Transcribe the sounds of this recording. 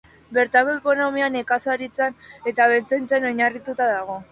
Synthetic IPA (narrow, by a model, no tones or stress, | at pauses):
be̞ɾt̪ako̞e̞ko̞no̞miane̞kasaɾit͡sane̞t̪aβe̞lt͡sent͡seno̞ɲarit̪ut̪aðaɣ̞o̞